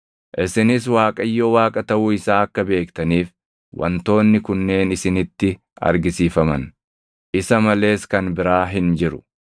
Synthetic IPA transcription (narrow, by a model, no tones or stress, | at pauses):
ʔɪsɪnɪswaːkʼɐjːo̞ːwaːkʼɐt̪ɐʔuɪsaːɐkːɐbe̞ːkt̪ɐniːf | wʔɐ̰nt̪o̞ːnːɪkʊnːe̞ːnɪsɪnɪt̪ːɪ | ɐ̰ɾɡɪsiːfɐmɐn | ʔɪsɐmɐle̞ːskɐnbɪɾaːɦɪnd͡ʒɪɾʊ̥